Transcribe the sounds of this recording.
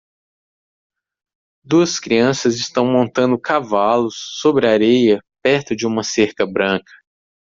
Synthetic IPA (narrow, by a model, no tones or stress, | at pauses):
d̪uɐskɾiɐ̃sɐzɪst̪ɐ̃w̃mõnt̪ɐ̃nd̪ʊkavalʊsːobɾɪaɾejɐpɛɾt̪ʊd͡ʒɪũmɐseɾkɐbɾɐ̃kɐ̥